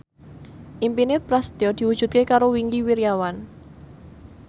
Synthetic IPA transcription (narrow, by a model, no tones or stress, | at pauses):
ʔimpinɪpɾasd̪̥ɔd̪̥i̤wud̥ʒ̥ṳt̪̚kekaɾowiŋɡiwiɾjawan